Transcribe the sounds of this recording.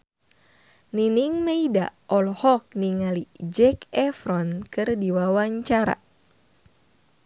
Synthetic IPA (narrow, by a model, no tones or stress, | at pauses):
niniŋmeida̰ʔɔlhɔk̚niŋalid͡ʒɛkɛfɾɔnkɨrdiwawaɲt͡ʃaɾa̰